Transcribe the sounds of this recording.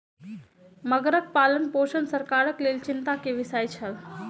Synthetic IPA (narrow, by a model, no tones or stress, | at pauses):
məɡɾək̚palənpoʃənsəɾkaɾəklelt͡ʃint̪akeʋisajt͡ʃʰəl